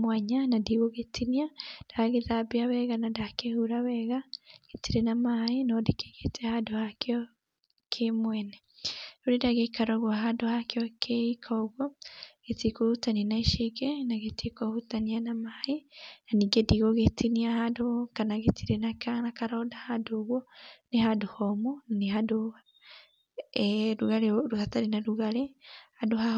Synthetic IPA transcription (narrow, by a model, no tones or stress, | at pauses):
mwaɲanadiɣoɣetʰiniad̥aɣeðabiawɛɣanadakehuɾawɛɣaɡ̥etiɾenamaenɔdike̥ɣetɛhadohakeɔ | kʰemwɛnɛ | ɾoɾedaɣekaɾɔɣwaɦadohakjɔkʰeikʰɔɣɔɡ̥etikohutanianaiʃeɡenaɣetikohutanianamaenaniɡediɣoɣetiniahadokanaɣetiɾenakanakaɾɔdahadoɣwɔneɦadohɔmunaneɦado | ɾuɣaɾeɾuhataɾinaɾuɣaɾehadoha